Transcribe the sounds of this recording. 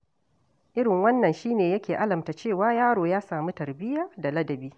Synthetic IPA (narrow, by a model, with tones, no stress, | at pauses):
ʔɪ˦ɽɪ˨ŋwɐ˦nːɐ˨nʃiː˦neː˨jɐ˦kʲeː˨ʔa˦lɐ˨mta˨t͡ʃeː˦˨waː˦jaː˦ɽoː˨jaː˦saː˨mi˦tɐ˨rbɪ˦jaː˦˨da˨lɐ˦dɐ˨biː˦